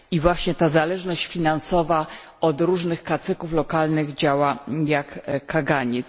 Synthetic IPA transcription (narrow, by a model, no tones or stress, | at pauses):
ivwaɕɲɛt̪azalɛʐnɔɕt͡ɕfʲinansɔva | ɔd̪ɾuʐnɘxkat̪sɘkuflɔkalnɘɣd͡ʑawajakkaɡaɲɛs